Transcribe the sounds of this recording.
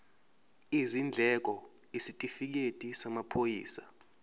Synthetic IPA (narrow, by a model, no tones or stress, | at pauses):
izind͡ɮʱɛk̬ʼɔ | isitʼifik̬etʼisamapʰojiːsa